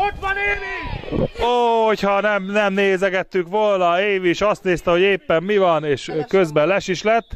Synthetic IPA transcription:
oːhochɒnɛmnɛmneːzɛɡɛt̪ːykʋolnɒeːviʃɒst̪neːst̪ɛɦo̞ɟeːpːɛmːivɒneːʃkø̞zbɛlɛʃiʃlɛt̪ː

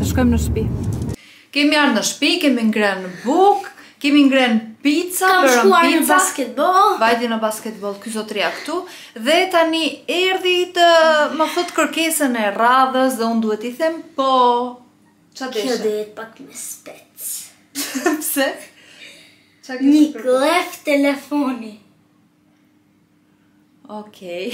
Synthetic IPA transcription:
t̪əʃkɔjmnəʃpi | kɛmiaɾnəʃpikɛmiŋɡɾɛnbukkːɛmiŋɡɾɛnpit̪t͡sabəɾauapit͡saskɛt̪̚bɔlˠvajd̪inəbaskɛt̪bɔlˠkyzɔt̪ɾiakt̪u | ðɛt̪aniɛɾðit̪əmaθɔt̪kəɾkɛsənɛraðəsðɛund̪uɛt̪iθɛmpɔ | t͡ʃad̪ɛd̪ɛjɛt̪̚pakməspɛ | t͡s | psɛ | t͡ʃakɲiklɛft̪ɛlɛfɔni | ɔkʰɛj

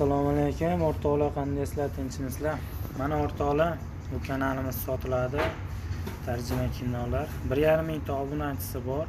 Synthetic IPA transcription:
asalˠɒmalekʲʊmoɾt̪ʰɒlˠaqʰɑnd̪ajslat̪ʰɪnt͡ʃʰɪnɪzla | manaɒɾt̪ʰɒlɪ | ʊkʲʰanalɪmɪzsɒt̪ʰɪlad̪ɪ | t̪ʰaɾd͡ʒɪmakʲʰɪnːɒlaɾbɪɾjaɾɪmːɪŋt̪ʰɒbʊnat͡ʃʰɪ̥sɪbɒɾ

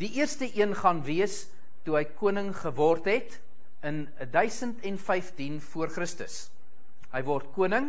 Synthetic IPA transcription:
diʔiərstəʔiənχɐnviəs | tuɦəjkuənəŋχəvɑːrtɦɛt | ən | dœɥsəntɛnfɛjftinfuərχrəstə̰s | ɦəjvɔrtkuənəŋ

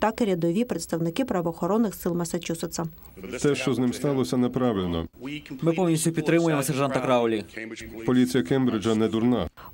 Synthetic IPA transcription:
t̪ɑkɪɾʲɐd̪ɔʋʲipɾet̪st̪ɐwnɪkɪpɾɐʋɔːxɔɾɔnːɪxsɪlˠmɐsɐt͡ʃusɪt̪sɐ | t̪ɛʃt͡ʃɔznɪmst̪ɑlˠɔsʲɐnɛpɾɑʋɪlʲnɔ̰mɪpɔwnʲisʲʊpʲid̪ɾɪmʊjemɔsɛrʒɑnt̪ɐkɾɑʊlʲipɔlʲit͡sʲijɐkɛmbɾɪd͡ʒɐnɛd̪uɾna̰

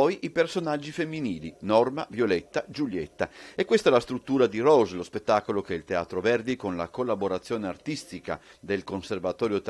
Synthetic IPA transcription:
ɔjʔipersonad͡ʒːifemːiniːlinɔrmavjolet̪ːad͡ʒuljḛt̪ːaekwest̪aɛlast̪ɾut̪ːuːɾad̪irɔzlospet̪ːaːkolokɛilt̪ea̰ːt̪ɾovɛrd̪ikonla̰kolːaboɾat̪sːjoːneart̪ist̪ika̰d̪elkonservat̪ɔːɾjot̪

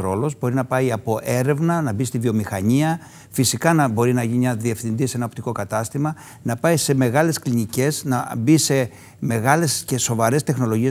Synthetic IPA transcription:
ɾo̞lo̞zbo̞ɾinɐpɐiɐpo̞ʔe̞ɾe̞vnɐnɐbist̪ivio̞mixɐɲiɐ | fisikɐnɐbo̞ɾinɐʝinimɲɐðie̞fθind̪isee̞nɐo̞pt̪iko̞kɐt̪ɐst̪imɐ | nɐpɐise̞me̞ɣɐle̞sklinice̞znɐbise̞ | me̞ɣɐle̞sce̞so̞vɐɾe̞st̪e̞xno̞lo̞ʝie

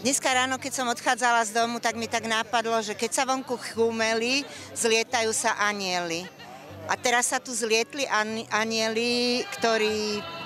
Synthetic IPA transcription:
d̪ɲɛskaɾaːnɔkɛcsɔmɔt̪xaːd͡zalazd̪ɔmut̪aɡmit̪aɡnapad̪lɔʒɛkɛcsaʋɔŋkuxumɛli | zlɪɛt̪ajuːsaʔaɲɪɛli | ʔat̪ɛɾasːat̪uzlɪɛt̪liʔaʔaɲɪɛlikt̪ɔɾiː

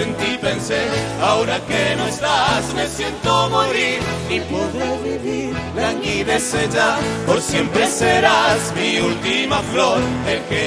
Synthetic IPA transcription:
ent̪ipenseɾawɾakenoest̪azmesjent̪omoɾiɾnipoðɾoβiβiɾlaɲiβesed͡ʒapoɾsjempɾeseɾazmiult̪imafloɾelke

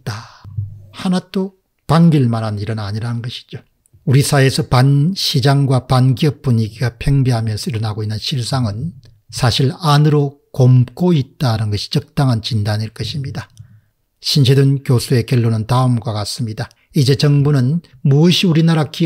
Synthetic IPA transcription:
t͈a | hanato | paŋɡiɭmanɦaniɾʌɯnaɲiɾanɯnɡʌɕʰi̥d͡ʑo | uɾisʰaesʰʌpanɕʰid͡ʑaŋɡwapanɡiʌp̚p͈uɲiɡiɡapʰeŋbiɦamjʌnsʰʌiɾʌnɦaɡoinːɯnɕʰiɭs͈aŋɯn | sʰaɕʰiɭanɯɾo | komk͈oit̚t͈anɯnɡʌɕʰi̥t͡ɕʌk̚t͈aŋɦant͡ɕindaɲiɭk͈ʌɕʰimɲida | ɕʰinɕʰedɯnkjosʰue̞kjʌɭːonɯntaɯmɡwakas͈ɯmɲida | id͡ʑe̞t͡ɕʌŋbunɯn | muʌɕʰiuɾinaɾaki

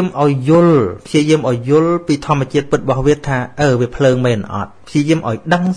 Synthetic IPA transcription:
əmʔaɔjːʊ̆əlpʰjiəjiəmʔaɔjːʊ̆əlpiːt̪ʰŏəmːɛ̆ət͡ɕiət̪̚pɨt̪̚ɓɑhʋiət̪ʰːaːʔəːʋiəpʰləːŋmɛːnʔɑ̰t̪̚pʰjiəjiəmʔa̰ɔjɗəŋ

